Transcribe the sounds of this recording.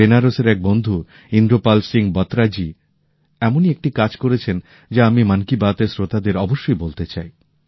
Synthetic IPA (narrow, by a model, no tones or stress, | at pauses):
enaɾoseɾɛk̚bond̪ʱu | ind̪ɾopalsiŋbɔt̪ɾad͡ʑi | ɛmoniek̚ʈikad͡ʑkoɾet͡ɕʰen | d͡ʑaamimankibat̪esɾot̪ad̪eɾɔboʃːojbolt̪et͡ɕaj